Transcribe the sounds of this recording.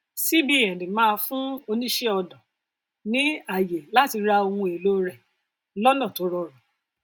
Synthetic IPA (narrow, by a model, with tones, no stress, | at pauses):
si˦bi˦ɛ˨dĩ˨mãː˦˧fũ˦o˧nĩ˦ʃɛ˦ɔ˧dɔ̃˨ | nĩ˨˦a˨je˨la˦ti˧ɾa˧o˧wũ˧e˨lo˦ɾɛ˨ | lɔ˦nã˦˨to˨˦ɾɔ˧ɾɔ˨